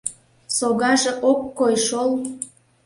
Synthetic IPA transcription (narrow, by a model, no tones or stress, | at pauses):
soɣɑʒeʔokːojʃolˠ